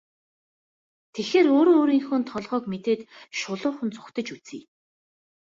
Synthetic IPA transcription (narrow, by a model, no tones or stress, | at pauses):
t̪ʰexeːɾoːɾoːoːɾiːŋxŭnt̪ʰɔɮʁœːkmet̪eːt̪ʃʊɮʊːχɵ̆nt͡sʊ̥kt̪ə̆t͡ɕut͡siː